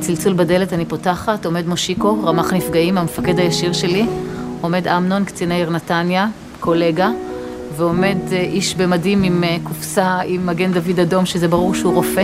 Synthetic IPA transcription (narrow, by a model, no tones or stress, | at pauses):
t͡silt͡sulbade̞letanipotaχato̞me̞dmoʃiko̞ʁamaχnifɡaimamefake̞dhajaʃiʁʃe̞lio̞me̞damno̞nkt͡sinejʁnatanja | ko̞le̞ɡa | veo̞me̞dʔiʃbemadimimkufsaimaɡe̞ndavidado̞mʃezebaʁuʁʃehuʁo̞fe